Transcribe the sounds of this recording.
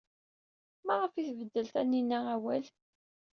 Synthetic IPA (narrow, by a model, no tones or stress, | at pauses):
mæʁəfiθvəd̪ːəlt̪ænːinːææwæl